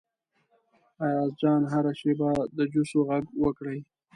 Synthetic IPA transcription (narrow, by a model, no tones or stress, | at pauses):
ɑjɑzd͡ʒɑnɦaɾaʃebad̪əd͡ʒusoɣaɡwəkɽəj